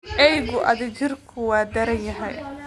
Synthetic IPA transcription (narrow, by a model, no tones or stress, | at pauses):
ɛjɣʊʔɐ̰ðɪd͡ʒɪrkʰʊwaːd̪ɐɾɐnjɐɦɛ̰j